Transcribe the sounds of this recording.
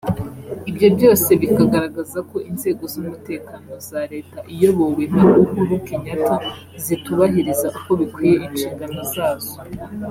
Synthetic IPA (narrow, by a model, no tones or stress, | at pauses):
ibjo̞bɟo̞ːse̞βikaɡaɾaɡazako̞ʔinze̞ːɡo̞zomute̞ːkano̞zaɾe̞ːtaʔijo̞βoweɦauhuɾukiɲata | zituβaɦiɾizaʔuko̞βikwiːje̞ʔint͡ʃiːŋɡano̞zaːz̥o